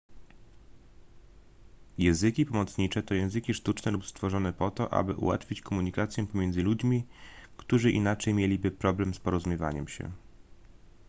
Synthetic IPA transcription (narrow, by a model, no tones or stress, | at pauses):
jɛ̃zɘkʲipɔmɔt̪sɲit͡ʂɛt̪ɔjɛ̃w̃zɘkʲiʂt̪ut͡ʂnɛlupst̪fɔʐɔnɛpɔt̪ɔʔa̰bɘʔṵwa̰t̪fʲit͡ɕkɔmuɲikat̪sʲjɛpɔmʲjɛnd̪zɘlud͡ʑmʲikt̪uʐɘʔḭnat͡ʂɛjmʲjelʲibɘpɾɔblɛmspɔɾɔzumʲjɛva̰ɲɛmɕɛ̰